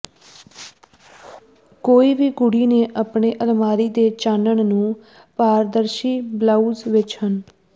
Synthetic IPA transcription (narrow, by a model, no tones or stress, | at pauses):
koːiːʋiːɡʊɽiːneːʔapɳeːʔəlmaːɾiːd̪eːt͡ʃaːnəɳnũː | paːɾd̪əɾʃiːblaːuːzʋɪt͡ʃhən